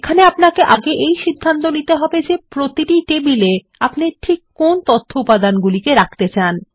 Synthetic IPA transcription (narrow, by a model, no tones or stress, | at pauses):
ekʰaneapnakeʔaɡeʔejʃid̪ʱːant̪onit̪eɦɔbed͡ʑepɾot̪iʈiʈebile | apniʈʰikːont̪ot̪ʰːoupad̪anɡulikeɾak̚ʰt̪et͡ɕan